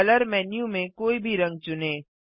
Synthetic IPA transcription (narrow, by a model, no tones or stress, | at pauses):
ləɾmɛːnjũmẽkoːibʱiɾɐ̃ŋɡ̚t͡ʃʊneː